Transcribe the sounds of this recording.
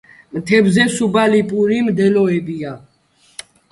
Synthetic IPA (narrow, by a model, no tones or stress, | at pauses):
mt̪ʰɛbzɛsubalipʼuɾimd̪ɛlɔɛbia